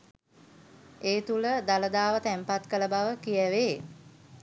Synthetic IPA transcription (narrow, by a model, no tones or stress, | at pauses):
eːt̪uləd̪aləd̪aːʋət̪æmpat̪kələbaʋəkijəʋeː